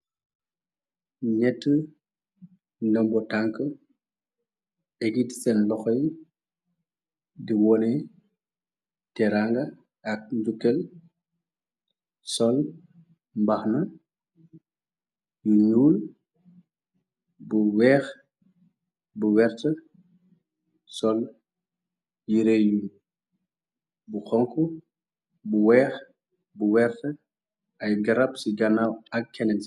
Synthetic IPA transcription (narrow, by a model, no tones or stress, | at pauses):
ɲɛtːə | ndɐmbɔtaŋkə | ʔɛɡitsɛnlɔxɔj | diwɔnɛ | tɛɾaŋɡɐ | ɐk̚ɲd͡ʒukːɛl | sɔl | mbɐxnɐ | juɲuːl | buwɛːx | buwɛrtə | sɔl | jiɾɛju | buxɔŋku | buwɛːx | buwɛrtə | ʔɐjɡɐɾɐpsiɡɐnawɐkːɛnɛns